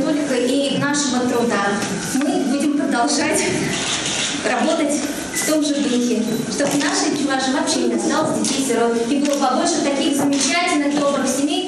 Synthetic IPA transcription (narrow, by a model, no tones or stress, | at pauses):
t̪o̞lʲkəʔivnaʂɨmɨnt̪ɾʊd̪a | mɨbudʲɪmpɾəd̪ɐlˠʐatʲ | rɐbo̞t̪ətʲ | ft̪o̞mʐɨixʲɪ | ʂt̪obnaʂɨt͡ɕʊvaʐɨmɐpɕenʲɪɐst̪alˠəzʲdʲɪfʲisʲɪɾoiɡɨlˠəbɐboʂət̪ɐkʲixzɨmʲɪt͡ɕætʲɪlʲnɨxd̪obɾəxsʲɪmʲej